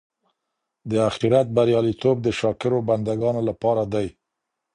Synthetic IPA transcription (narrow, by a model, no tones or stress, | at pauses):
d̪əaxiɾat̪̚baɾjɑlit̪ob̚d̪əʃɑkɪɾoband̪aɡɑnolapɑɾad̪aj